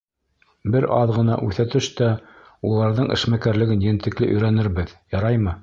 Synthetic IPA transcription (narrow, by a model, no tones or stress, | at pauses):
bɘɾʔɑðʁɤ̆n̪ɑ̰ʔʉθæt̪ɘʃt̪æ | ulˠɑɾðɤɴʔɘ̰̆ʃmækæɾlɘ̆ɡɘnjɘ̆nt̪ɘ̆klɘʔɵ̆jɾænɘɾβɘðjɑɾɑjmɤ